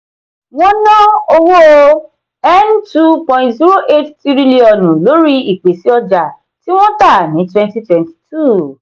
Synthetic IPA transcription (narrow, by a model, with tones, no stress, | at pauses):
wɔ̃˦nɔ̃˦o˧wo˦˧ | ɛ˦ntu˦pɔ̃˧ɪ̃ntzi˦ɾo˦ʔe˦tti˦ɾi˦li˦ɔ˨nũ˨lo˨˦ɾi˦i˨k͡pe˨si˦ɔ˧d͡ʒa˨ | ti˦w̃ɔ̃˦ta˦˨nĩ˨˦twɛ̃˧nti˦twɛ̃˨nti̥˨tʰu˦˨